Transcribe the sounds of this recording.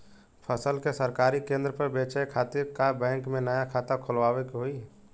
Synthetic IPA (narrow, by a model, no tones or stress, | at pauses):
pʰəsəlkesəɾkaːɾikẽːnd̪ɾəpəɾbeːt͡ʃaekʰaːt̪ɪɾkabɛ̃ːŋkmẽnəjakʰaːt̪akʰʊlʋaːwekɦoi